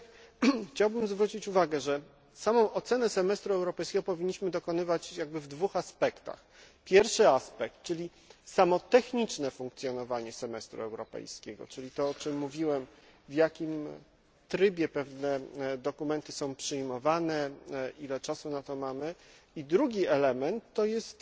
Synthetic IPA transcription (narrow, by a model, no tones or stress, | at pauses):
xt͡ɕawbɘmzvɾut͡ɕit͡ɕuvaɡɛʐɛ | samɔ̃w̃ʔɔt̪sɛnɛsɛmɛst̪ɾuɛwɾɔpɛjskʲeɡɔpɔvʲiɲːiɕmɘd̪ɔkɔnɘvat͡ɕjaɡ̚bɘvd̪vuxaspɛkt̪a̰x | pʲjɛɾfʂɘaspɛk̚t̪̚t͡ʂɘlʲi | samɔt̪ɛxɲit͡ʂnɛfuŋk̚t̪sʲjɔnɔvaɲɛsɛmɛst̪ɾṵɛwɾɔpɛ̰jskʲɛɡɔ̰t͡ʂɘlʲit̪ɔɔt͡ʂɘmːuvʲiwɛmvjakʲim | t̪ɾɘbʲjɛpɛvnɛd̪ɔkumɛnt̪ɘsɔ̃w̃pʂɘjmɔvanɛʔilɛt͡ʂasunat̪ɔmamɘ | id̪ɾuɡʲiɛlɛmɛnt̪ːɔjɛst̪